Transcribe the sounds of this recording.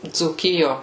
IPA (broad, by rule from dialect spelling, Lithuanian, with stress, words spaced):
d͡zuːˈkʲɪjoː